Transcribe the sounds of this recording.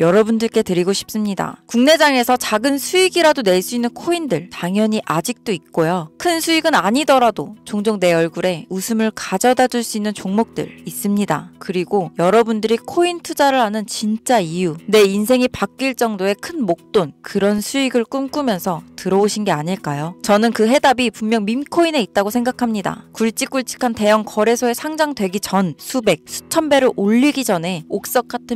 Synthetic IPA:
jʌɾʌbundɯɭk͈e̞tɯɾiɡoɕʰi̥p̚s͈ɯmɲida̰kuŋne̞d͡ʑaŋe̞sʰʌt͡ɕaɡɯnsʰuiɡiɾadone̞ɭs͈uinːɯnkʰoindɯɭtaŋjʌɲiʔad͡ʑik̚t͈oik̚k͈ojokʰɯnsʰuiɡɯnaɲidʌɾadot͡ɕoŋd͡ʑoŋne̞ʌɭɡuɾe̞usʰɯmɯɭkad͡ʑʌdad͡ʑuɭs͈uinːɯnt͡ɕoŋmok̚t͈ɯ̰ɾis͈ɯmɲida̰kɯɾiɡojʌɾʌbundɯɾikʰointʰud͡ʑaɾɯɭhanɯnt͡ɕint͡ɕ͈aijune̞insʰe̞ŋipak̚k͈iɭt͡ɕ͈ʌŋdoe̞kʰɯnmok̚t͈onkɯɾʌnsʰuiɡɯɭk͈umk͈umjʌnsʰʌtɯɾʌoɕʰinɡe̞aɲiɭk͈ajot͡ɕʌnɯnkɯɦe̞dabipummjʌŋmimkʰoine̞it̚t͈aɡosʰe̞ŋɡakʰamɲida̰kuɭt͡ɕ͈ik͈uɭt͡ɕ͈ʰi̥kʰante̞jʌŋkʌɾe̞sʰoe̞sʰaŋd͡ʑaŋdwe̞ɡit͡ɕʌnsʰube̞k̚sʰu̥t͡ɕʰʌmbe̞ɾɯʔoʎːiɡid͡ʑʌnɦe̞ok̚s͈ʌk͈̚atʰɯ

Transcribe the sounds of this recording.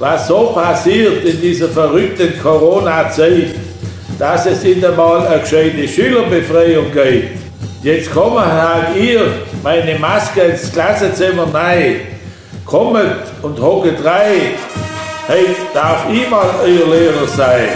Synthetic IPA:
vasːoːpʰasiːtɪndiːzəfɛʁʏk̚tənkʰoʁoːnat͡saɪt | d̥asɛsɪndəmɑːləkʃeɪteʃyːləbefʁaɪʊŋɡeɪt | jɛt͡skʰɔməhaɡiːmaɪnemaskəɪnsklasət͡sɪmənaɪ | kʰɔmət | ʊnthɔkətʁaɪ | heɪtd̥aʁfimɑːlœɪəleːʁəsaɪ

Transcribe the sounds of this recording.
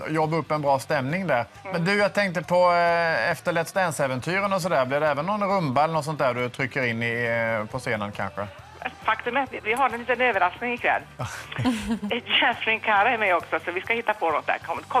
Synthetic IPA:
jɔbːɵpːɛnbɾɑːst̪ɛmnɪŋd̪æɾ | mɛnd̪ɵjat̪ʰɛŋk̚t̪əpʰɔɛft̪əɭɛt̪st̪ɛnsɛvɛnt̪ʰyːɾənɔs̬ɔd̪æːɾblɪɾdɖ̪ɛːvənːɔnɾɵmbaɛlənɔt̪sɔnt̪æːɾd̪ɵt̪ʰɾʏkːəɾɪnːɪpʰɔseːnənkʰa̰nɧə̰ | fakt̪ɵmɛat̪vɪvɪɦaɾɛnliːt̪ənøːvəɾasknɪŋɪkʰvɛ̰lː | jɛfɾɪŋkʰaɾaɛmɛjɔksɔsɔvɪskahɪt̪ːapʰɔnɔt̪̚d̪æ̰ɾkʰɔmkʰɔ

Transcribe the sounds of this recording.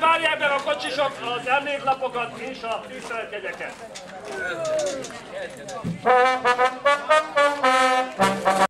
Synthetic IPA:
vaːɾjakbɛɾɒkot͡ʃiʃokɒzɛrneːk̪lɒpokɒt̪inʃɒt̪iːfɛlkɛɟ̪ɛkɛt̪

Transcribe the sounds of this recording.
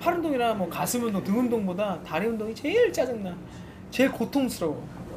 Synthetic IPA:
pʰaɾɯndoŋiɾamwʌkasʰɯmjʌnotɯŋɯndoŋbodataɾiɯndoŋit͡ɕe̞ɭt͡ɕ͈ad͡ʑɯŋna | t͡ɕe̞ɭkotʰoŋsʰɯɾʌɡo

